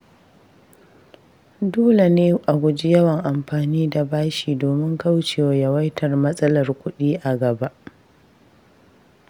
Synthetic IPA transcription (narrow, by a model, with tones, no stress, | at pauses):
doː˦la˨neː˦ʔa˨ɡʷʊ˨d͡ʒɪ˦jɐ˦wɐ˨ŋʔa˨mɸaː˨niː˦da˨baː˦ʃiː˨doː˨mɪ˦ŋka˦wt͡ʃeː˨wa˨jɐ˨wɐ˦jtʰɐ˨rmɐ˦sʼɐ˦lɐ˨rkʷʊ˦ɗiː˦ʔa˨ɡɐ˨ba˦ʔ